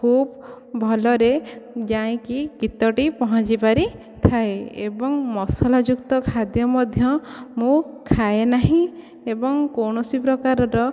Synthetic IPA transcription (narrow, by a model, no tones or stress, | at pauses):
kʰub | bʱɔlɔɾed͡ʒaẽkikit̪ɔʈipɔɦɔ̃t͡ʃibaɾi | t̪ʰaeḛbɔŋmɔsɔlad͡ʒukt̪ɔkʰad̪jɔmɔd̪ʱjɔmũkʰaenaɦĩ | ebɔŋkowɳɔsipɾɔkaɾɔɾɔ